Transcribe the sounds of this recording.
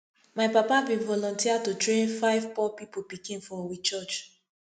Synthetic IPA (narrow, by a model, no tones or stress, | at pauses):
maɪpapabĩvɔlɔ̃ntiatutɹẽnfaɪvpɔpipopikĩnfɔ̃wit͡ʃɔt͡ʃ